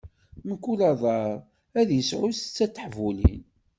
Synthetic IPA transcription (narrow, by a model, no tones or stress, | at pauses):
məkːulɑðˤɑɾˤ | æðjəsʕʊst͡sːæt͡sːəħvulḭn